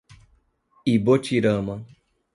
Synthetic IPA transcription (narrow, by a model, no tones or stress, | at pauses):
ibot͡ʃʰiɾəma